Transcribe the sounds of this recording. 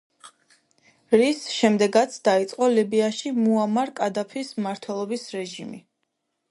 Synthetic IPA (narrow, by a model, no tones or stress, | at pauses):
ɾisʃɛmd̪ɛɡat̪sʰd̪̥ait̪sʼqʼɔlibiaʃimuamaɾkʼad̪apʰismaɾt̪ʰwɛlˠɔbisɾɛʒimḭ